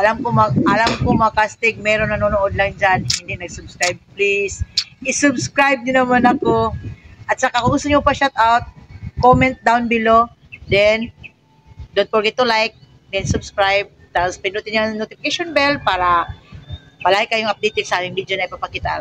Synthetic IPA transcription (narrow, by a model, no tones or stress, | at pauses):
ʔɐlamkomɐʔɐlamkomɐakast̪ɪɡ̚mɛɾonnɐnonoʔod̪̚laŋd͡ʒanhɪnd̪ɪʔnɐɡsʊbskɹajb̚plisʔɪsʊbskɾajb̚d̪ɪnɐmanɐkoʔɐt̪̚sɐkakʊŋʊst̪ʊɲopɐʃat̪̚ʔawt̪̚komɛnt̪̚d̪awnbɪlo | d̪ɛn | d̪ʊn̚poɹɡɛdt̪ːʊlajk̚ | d̪ɛnsʊbskɹajb̚t̪apospɪnut̪ɪɲaŋnot̪ɪfɪkeʃonbɛlpaːɾɐ | pɐlajɪkɐjoŋʔɐp̚d̪it̪ɪɡsɐʔaːmɪŋbid̪jonɐɪpɐpɐkɪt̪a̰